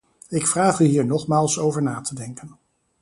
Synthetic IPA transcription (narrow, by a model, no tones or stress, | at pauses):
ɪkfraːχyɦiːɹnɔχmaːlˠsowvəɹnaːtədɛŋkən